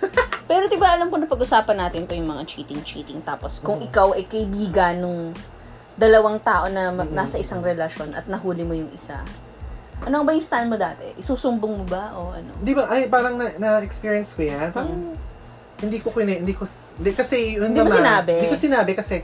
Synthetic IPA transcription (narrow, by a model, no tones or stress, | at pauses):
pɛːɾod̪ɪbaʔɐlamkonɐpɐɡʔʊsaːpɐnːaːt̪ɪnt̪ojʊŋmɐŋat͡ʃiːt̪ɪŋt͡ʃḭːt̪ɪŋt̪aːpo̞skʊŋʔɪkawʔɐjkɐʔɪbiːɡɐnːoŋ | d̪ɐlɐwaŋt̪aːʔo̞nɐmɐnaːsɐʔɪsaŋɾɛlɐʃo̞nʔɐ̰t̪̚nɐhuːlɪmojʊŋʔɪsa̰ | ʔɐnoɐŋbɐjɪst̪ɐʔɐnmo̞d̪aːt̪ɛ̰ʔɪsuːsʊmboŋmobaʔoʔɐ̰noɪnd̪iːbɐʔɐjpaːɾɐŋnɐnɐɛkspiːɹiɐnskojanpaɾɐŋ | hɪnd̪iːkokʊnɛhɪnd̪iːkod̪ɛkɐsɛj̪ʊnd̪imosɪnaːbɛd̪ikosɪnaːbɛkɐsɛ